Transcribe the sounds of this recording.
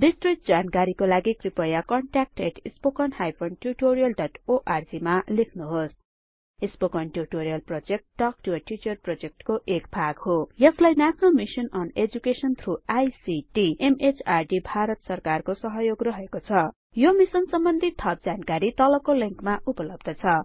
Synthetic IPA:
bisʈriʈ̪̚d͡zankaɾikolaɡikripʌjakʌɳʈak̚ʈeʈispokʌnhajpʰʌnʈuʈoɾijʌlɖʌʈoʔard͡zimalekʰnuɦos | ispokʌnʈurʈoɾijʌlprod͡zek̚ʈːʌkʈuʌʈit͡ʃʌrprod͡zek̚ʈkoʔekbʱaɡhojʌslajnat͡sʌnʌlmisʌnʌned͡zukesʌnt̪ʰruajsiʈiemet͡sarɖibʱaɾʌt̪sʌrkarkosʌɦʌjoɡrʌɦekot͡sʰʌ | jomisʌnsʌmbʌnd̪ʱit̪ʰːʌp̚d͡zankaɾit̪ʌlʌkoliŋkmaʔupʌlʌb̚d̪ʌt͡sʰʌ

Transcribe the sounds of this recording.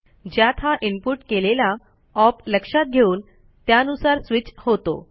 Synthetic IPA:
d͡ʑjat̪ʰãʔimpuʈkelela | ɔpləkʂat̪̚ɡʱeuːn | t̪jaənusaɾsʋit͡ɕhot̪o̰

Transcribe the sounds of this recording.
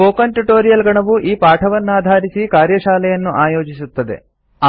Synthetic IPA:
oːkɐnʈuʈoːɾijɐlɡɐɳɐʋuʔiːpaːʈʰɐʋɐnːuaːd̪ʱaːɾisikaːɾjɐʃaːlɛjɐnːuʔaːjo̞ːd͡ʒisut̪ːɐd̪ḛ | a

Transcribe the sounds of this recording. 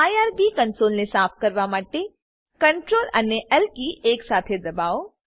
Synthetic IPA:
aːjaːɾbikɐnsoːlnesaːp̚ʰkɐɾʋamaːʈe | kɐɳʈɾoːlɐ̰nːeʔəlkieːksaːt̪ʰed̪ɐbaːo

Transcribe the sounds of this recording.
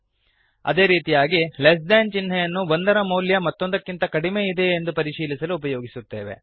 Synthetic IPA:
ɐ̰d̪e̞ːɾiːt̪ijaːɡiles̬ɖaːnt͡ʃinɦɛjɐnːubɐnd̪ɐɾɐmɐwljɐmɐt̪ːo̞nd̪ɐkːint̪ɐkɐɽimeːid̪e̞ːnd̪upɐɾiʃiːlisɐluːpɐjoːɡisut̪ːe̞ːʋe̞̰

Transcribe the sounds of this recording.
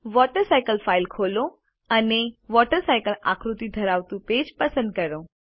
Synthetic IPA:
ʋɔʈəɾsajkəlfailkʰolo | əneʋɔʈəɾsajkəla̰kɾut̪id̪ʱəɾaʋt̪ũped͡ʒpəsə̃nd̪̚kəɾo

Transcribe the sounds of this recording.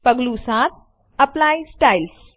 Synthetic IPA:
pəɡlusaːt̪̚ʰ | ɐplaːjsʈaːils

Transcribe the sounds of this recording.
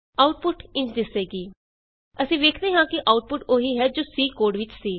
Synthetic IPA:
aːʊʈ̚pʊʈɪ̃ɲt͡ʃd̪ɪseːɡiː | əsĩːʋeːkʰd̪eːɦãːkɪʔaːʊʈ̚pʊʈoːɦiːɦɛːd͡ʒoːsiːkoːɾɖʋɪt͡ʃsiː

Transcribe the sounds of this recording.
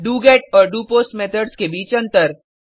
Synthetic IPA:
ɖuːɡeːʈɔːɾɖuːpoːsʈmeːt̪ʰəɖskebiːt͡ʃɐ̃nt̪əɾ

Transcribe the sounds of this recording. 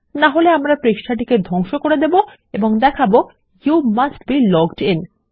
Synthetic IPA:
naɦoleamɾapɾeʃʈʰaʈ̬iked̪ʱɔŋʃokoɾed̪ebo | eboŋd̪ɛkʰabo | jumasʈbilɔɡʈin

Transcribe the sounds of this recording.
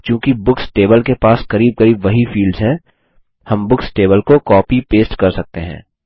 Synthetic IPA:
kjũːkibʊksʈeːbəlkepaːskɐɾiːb̚kɐɾiːbʋɐɦifiːlɖzɦɛ̃ | hɐmbʊksʈeːβəlkokɔːpipeːsʈkɐɾsɐk̚t̪eɦɛ̰̃ː

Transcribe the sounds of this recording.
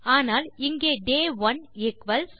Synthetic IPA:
aːnaːlɪŋɡeːɖeːʋɐnɛkʋɐls

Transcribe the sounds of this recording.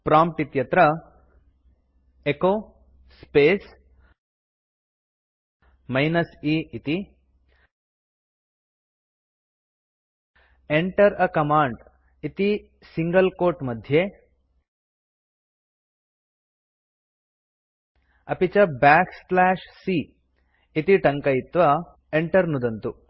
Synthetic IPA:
pɾamp̚ʈit̪jɐt̪ɾə | eko | spes | majnəsiit̪i | eɳʈəɾəkɐmaːɳɖ | it̪i | siŋɡɐlkoːɾʈmɐd̪ʱje | ɐpit͡ʃɐbaːkslaːʃsi | it̪iʈɐŋkɐjit̪ːʋɐ | eɳʈɐɾnud̪ɐnt̪u

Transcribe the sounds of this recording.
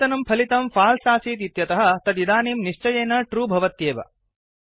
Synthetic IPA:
t̪ɐnɐmpʰɐlit̪ɐmpʰaːlsaːsiːt̪̬it̪jɐt̪ɐɦɐ̆t̪ɐt̪id̪aːniːmniʂt͡ʃɐjeːnɐʈɾuːbʱɐʋɐt̪jeːʋɐ̰

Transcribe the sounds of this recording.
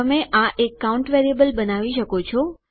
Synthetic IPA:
əmẽʔãʔekːauɳʈʋeɾiebəlbənaʋiʃəkot͡ʃʰo

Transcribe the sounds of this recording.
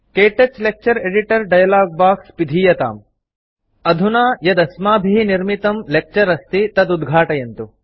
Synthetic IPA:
keːʈɐt͡ʃlek̚t͡ʃɐɾeɖiʈɐɾɖɐjɐlaːɡ̚baːkspid̪ʱiːjɐt̪a̰ːm | ɐd̪ʱunaːjɐd̪ɐsmaːbʱiɦiniɾmit̪ɐmlek̚t͡ʃɐɾɐst̪it̪ɐd̪ud̪ɡʱaːʈɐjent̪u

